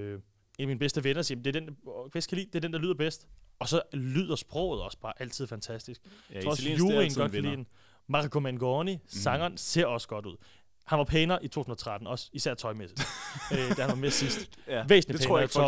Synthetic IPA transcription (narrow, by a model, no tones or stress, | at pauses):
enæminbesd̥əʋenɐsiːjmnd̥e̝ɐd̥enʋæskʰælḭːd̥eæɐd̥end̥ɑ̈lyðˠɐb̥esd̥ɒ̽sɒ̽lyːð̞̰ˠɐsb̥ʁɔ̰ʊð̩ˠɒ̽sə̥b̥ɑ̈ːʔæl̰t͡sʰið̞̰ˠfænt͡sʰæsd̥isɡ̥fɒɒjuːʁin̥ɒ̥̽kʰælḭːd̥en | mɑ̈ʁkʰomænɡ̥ɒnisɑ̈ŋɐːnse̝ɐ̰ɒ̽səɡ̥ɒ̽ɾ̥uð̞̰ˠ | hænʋɑ̈pʰeːnɐʔit͡sʰo̝̰ːsun̩ˠɐt͡sʰʁad̥n̩ɒ̽sisæɐ̰t͡sʰɒ̽ɪmesid̥ød̥æhænʋɑme̝ɐsisd̥ʋḛːsn̩lipːnɐt͡sɒ